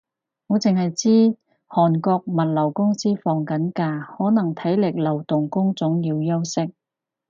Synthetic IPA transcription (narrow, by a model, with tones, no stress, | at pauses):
ŋɔː˨˧t͡sɪ˨ŋhɐ˨jt͡siː˥ | hɔː˨nkɔː˧k̚mɐ˨t̚lɐ˨˩wkʊ˥ŋsiː˥fɔː˨ŋkɐ˨˥nkaː˧hɔː˨˥nɐ˨˩ŋt̪ʰɐ˨˥jlɪ˨k̚lɐ˨˩wt̪ʊ˨ŋkʊ˥ŋt͡sʊ˨˥ŋjiː˧wjɐ˥wsɪ˥k̚